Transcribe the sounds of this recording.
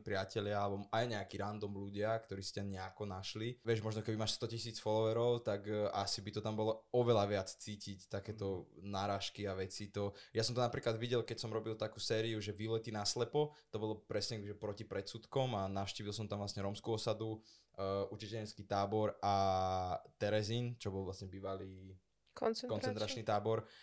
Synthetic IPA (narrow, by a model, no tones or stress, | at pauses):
pɾɪacɛlɪaabɔmajɲɛakiɾand̪ɔmluɟɪakt̪ɔɾiːsi̥caɲɛakɔnaʃliʋɪɛʒmɔʒnɔkɛbimaːʃst̪ɔcisiːt͡sfɔlɔʋɛɾɔʊt̪akʔasibit̪ɔt̪ambɔlɔɔʋɛlaʋɪat͡st͡siːcict̪akɛːt̪ɔnaɾaːʃkiaʋɛt͡sit̪ɔjasɔmt̪ɔnapɾiːklad̪ʋiɟɛlkɛcsɔmɾɔbilˠt̪akuːsɛːɾiuʒɛʋilɛt̪inaslɛpɔt̪ɔbɔlɔpɾɛsɲɛkɛbiʒɛpɾɔcipɾɛt̪sut̪kɔmanaʊʃciːʋilˠs̬ɔmt̪amʋlasɲɛɾɔmskuɔsad̪u | ʔucɛt͡ʃɛɲɛt͡skit̪aːbɔɾa | t̪ɛɾɛziːnt͡ʃɔbɔlˠʋlasɲɛbiːʋaliː | kɔt͡skɔnt͡sɛnt̪ɾat͡ʃnit̪aːbɔɾ